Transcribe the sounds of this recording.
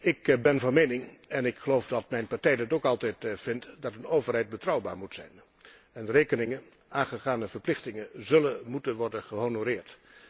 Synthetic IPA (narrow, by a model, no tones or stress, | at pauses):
ɪkbɛnvɑnmejnɪŋɛnɪkχəlowvdɑtmɛjnpaɹtɛjdɪtowkɑlˠtɛjtv̥ɪntdɑtənowvərɦɛjt̚bətrʌwbaːɹmutsɛ̰jn | ɛndərejkənɪŋə | aːnχəχaːnəvəɹplɪχtɪŋənzɵləmutənʋɔɹdənχəɦonoɾɪːɹt